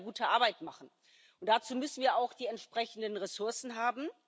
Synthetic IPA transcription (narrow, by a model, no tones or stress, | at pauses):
ɡuːtʰəʔaɐbaɪtmaχn̩ | ʔʊntd̥at͡suːmʏsn̩viːɐʔaʊxd̥iːɛntʃpʁ̥ɛçn̩dənʁesʊɐsn̩ɦaːbm̩